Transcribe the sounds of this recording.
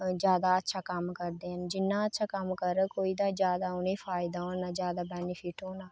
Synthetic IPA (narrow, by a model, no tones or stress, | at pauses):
d͡ʒjaːd̪aːətːʃʰaːkəmkəɾd̪eːɦənd͡ʒɪnːãːətːʃʰaːkəmkəɾəkoːiːd̪aːd͡ʒjaːd̪aːʊnẽːpʰaːɪd̪aːoːaːd͡ʒjaːd̪aːbɛːnipʰɪʈɦoːnaː